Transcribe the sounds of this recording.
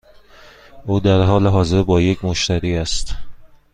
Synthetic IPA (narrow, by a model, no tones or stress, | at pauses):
ʔuːd̪æɾɦɒːleɦɒːze̞ɾbɒːje̞cʰmoʃt̪æɾiːæst̪